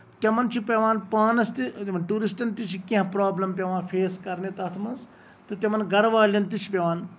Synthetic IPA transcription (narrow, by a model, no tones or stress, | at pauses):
t̪ɐmɐnt͡ʃʰipɐʋaːnpaːnɐst̪iɐʈuːɾisʈɐnt̪it͡ʃʰikẽɦpɾaːblɐmpʲɐʋãːfʰeːskɐɾnet̪ɐt̪ʰmɐnz | t̪ɨt̪ʲɐmɐnɡɐɾʋaːlʲɐnt̪it͡ʃʰi̥pʲɐʋaːn